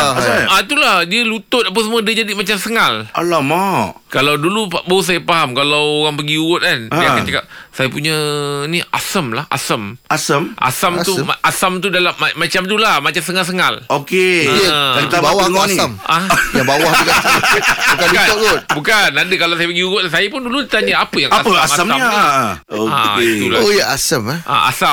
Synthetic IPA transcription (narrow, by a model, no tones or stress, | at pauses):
at̪ulahdiəlut̪ʊt̪̚ap̬əsəmwədəd͡ʒadimat͡ʃamsəŋala̰lamaʔkalawdulubawəs̬ajapaɦamkalawoɣaŋpəɡiuɣʊt̪̚kanajaakant͡ʃaka̰p̚sajapuɲəniʔa̰səmlaha̰səmasəmʔa̰samt̪umaʔasamt̪udalamːaːat͡ʃamt̪ulahmat͡ʃamsəŋals̬əŋalokejəait̪abawahŋniamʔajabawahd̪ukasabukankanɔɡʊt̪bukanadəkalawsajapəɡiuɣʊt̪̚lasajapʊnduludit̪aɲaapəjaŋaasəaaama | oa̰t̪ula̰ojaasəma̰a̰sa